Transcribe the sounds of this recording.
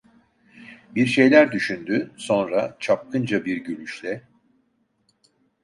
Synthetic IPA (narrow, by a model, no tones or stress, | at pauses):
biɾʃe̞jlʲæɾd̪yʃynd̪yso̞nɾat͡ʃʰap̚kʰɯnd͡ʒabiɾɟylʲyʃlʲɛ